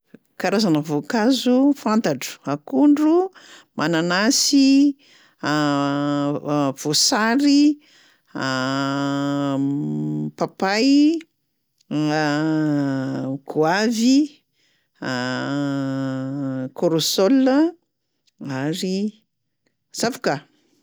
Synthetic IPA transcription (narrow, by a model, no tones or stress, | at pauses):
kaɾazanəvokazufant̪aʈ͡ʂu̥akuɳɖ͡ʐumananasi | v̥osaɾi | papaj | ɡ̥uavi | koɾosolə | aɾi | z̥afuka